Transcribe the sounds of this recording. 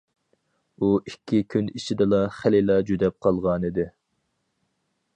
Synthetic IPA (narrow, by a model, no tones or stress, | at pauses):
uʔikʲʰːikʲʰynit͡ʃʰid̪ɪlˠɑχælilˠɑd͡ʒyd̪ɛp̚qʰɑlˠʁɑnɨd̪ɪ